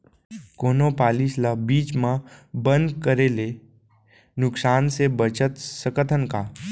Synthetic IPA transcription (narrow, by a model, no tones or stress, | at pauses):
koːnõpaːlislabiːt͡ʃmãbə̃nd̪kəɾele | nʊksaːnsebət͡ʃət̪səkət̪ʰənkaː